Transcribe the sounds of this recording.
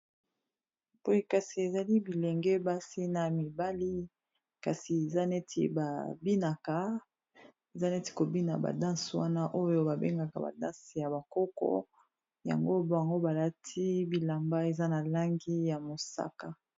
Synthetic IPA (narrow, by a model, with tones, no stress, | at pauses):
po˦je˦ka˨si˨e˨za˨li˦bi˨le˨ŋɡɛ˦ba˦si˦na˨mi˨ba˦li˦ | ka˨si˨e˨za˦ne˦tʰḭ˦˨ba˨bi˦na˨ka˨ | e˨za˦ne˦ti̥˨ko˨bi˦na̰˨ba̰˨dã˦swa̰˦na˦ʔo˦jo˦ba˨be˦ŋɡa˨ka˨ba̰˨dã˦si˨ja˨ba˨kɔ˦kɔ̰˦ | ja̰˨ŋɡo˦ba˨ŋɡo˦ba˨la˦tʰi˦bi˨la˨mba˦e˨za˦na˨la˦ŋɡi˦ja˨mo˨sa̰˦ka˨